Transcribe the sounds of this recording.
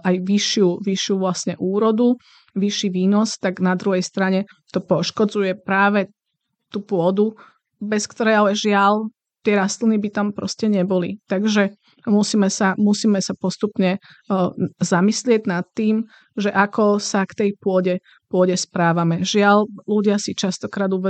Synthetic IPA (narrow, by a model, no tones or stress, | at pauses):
ʔajʋiʃɪuʋiʃɪuʋlasɲɛʔuːɾɔd̪u | ʋiʃiʋiːnɔst̪aɡnad̪ɾuɦɛjst̪ɾaɲɛ | t̪ɔpɔʃkɔd͡zujɛpɾaːʋɛ | t̪upʊɔd̪u | bɛskt̪ɔɾɛjalɛʒɪal | t̪ɪɛɾast̪linibit̪ampɾɔ̰scɛɲɛbɔlit̪aɡʒɛ | musiːmɛsamusiːmɛsapɔst̪upɲɛ | zamislɪɛɟnat̪ːiːm | ʒɛʔakɔsakt̪ɛjpʊɔɟɛ | pʊɔɟɛspɾaːʋamɛʒɪaʎluɟɪasit͡ʃast̪ɔkɾaːd̪uʋɛ